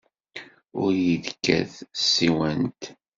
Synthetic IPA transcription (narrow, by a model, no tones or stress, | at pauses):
ʊɾjəðkːæ̰θsːiwænt̪